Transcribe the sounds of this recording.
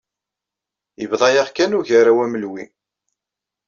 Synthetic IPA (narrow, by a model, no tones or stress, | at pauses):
jəvðˤɑjaʁkænuçaɾawæməlwi